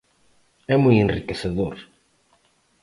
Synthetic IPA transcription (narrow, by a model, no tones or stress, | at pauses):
ɛmujẽnrikeseðoɾ